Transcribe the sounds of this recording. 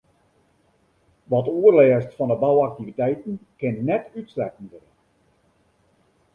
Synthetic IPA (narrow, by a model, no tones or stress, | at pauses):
ʋɔtuərlɛːstfɔndəbawak̚tivitɛjtən̩kɪnnɛtytslɛkn̩ərə